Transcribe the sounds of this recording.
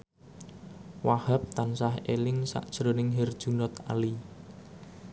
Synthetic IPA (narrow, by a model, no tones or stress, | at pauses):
wahap̚t̪ansahelɪŋsa̰ʔd̥ʒ̥ɾonɪŋɦɛrd̥ʒ̥ṳnɔt̪a̰li